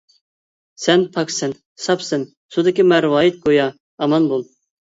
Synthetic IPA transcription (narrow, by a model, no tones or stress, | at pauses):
sɛnpʰɑksɪn | sɑpsɪn | sud̪ɪkʲimæɾwɑːjit̪̚ɡojɑː | mɑnbulˠ